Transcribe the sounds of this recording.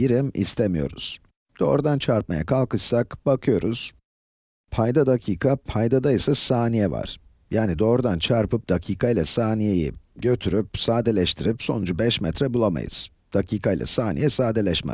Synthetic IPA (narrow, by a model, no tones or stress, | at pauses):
biɾimḭst̪ʰemijo̞̰ɾṵz̥ | d̪̥o̞ːɾud̪ant͡ʃʰaɾp̚ma̰ja̰kʰalˠkɯʃsakbakʰɯjo̞ɾuz̥ | pʰajd̪ad̪acʰiːkʰapʰajd̪ad̪ajisasaːnijɛva̰ɾ̥ | jaːnid̪o̞ːɾud̪ant͡ʃʰaɾpɯp̚d̪̥acʰiːkʰailʲˠasaːnijejḭɟø̞t̪ʰyɾypsaːd̪elʲɛʃt̪ʰiɾipso̞̰nud͡ʒubɛʃmɛt̪ʰɾɛbulˠama̰jɯ̰z̥ | d̪̥acʰiːkʰajilʲˠa̰saːnḭjɛsaːd̪elʲɛʃmɛ̰